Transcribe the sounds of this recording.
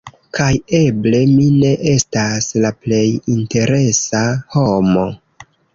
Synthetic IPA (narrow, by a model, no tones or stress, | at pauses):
kʰaje̞ble̞mine̞ʔe̞staslaple̞jinte̞ɾe̞saho̞mo̞